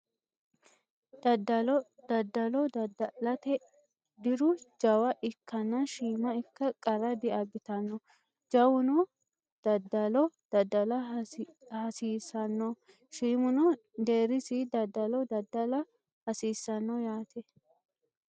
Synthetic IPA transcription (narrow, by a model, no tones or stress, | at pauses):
d̪ɐd̪ɐld̪ɐd̪ːɐlɔdlɐt̪ɛ | d̪ɪɾʊd͡ʒɐwɐʔɪkːɐnːɐʃiːmɐɪkːɐkʼɐɾɐd̪ɪɐbɪt̪ɐnːɔ | d͡ʒɐwʊnɔ | d̪̥ɐd̪ɐlɔd̪̥ɐd̪ːɐlɐ | hɐsiːsɐnːɔ | ʃiːmʊnɔ | d̪eːɾɪsɪd̪ɐd̪ːɐlɔd̪ɐd̪ːɐlɐ | hɐsiːsːɐnːɔjaːt̪ʰɛ